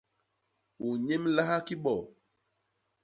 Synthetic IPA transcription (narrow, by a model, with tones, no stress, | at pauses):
wu˨ɲe˦mla˦ha˦ki˦ɓɔ˨